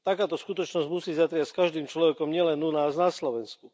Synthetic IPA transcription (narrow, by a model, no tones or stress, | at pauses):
t̪akaːt̪ɔskut̪ɔt͡ʃnɔzɟmusiːzat̪ɾɪacskaʒd̪iːmt͡ʃlɔʋɛkɔmɲɪɛlɛnunaːznaslɔʋɛnsku